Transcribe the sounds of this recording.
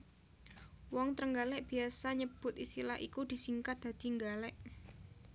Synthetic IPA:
wɔŋt̪ɾəŋɡalɛʔb̥i̤asaɲəb̥ʊt̪̚ist̪ilahḭkud̪̥i̤siŋkat̪̚d̥̪ä̤d̪̥i̤ŋɡalɛʔ

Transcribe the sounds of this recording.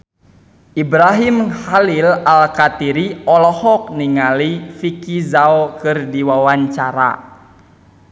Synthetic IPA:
ʔibɾaɦimhalilalkat̪iɾiɔlɔhɔk̚niŋalifikizaokɨrdiwawaɲt͡ʃaɾa̰

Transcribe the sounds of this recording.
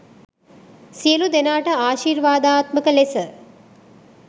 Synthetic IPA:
sijəlud̪enaːʈəaːʃiːɾʋaːd̪aːt̪məkəlesə

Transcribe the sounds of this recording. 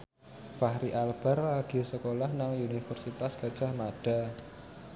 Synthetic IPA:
fahɾiʔalb̥a̤rlaɡ̥i̤səkolahnaŋunifərsit̪asɡ̥ad̥d͡ʒ̥a̤hmaɖ̥a̤

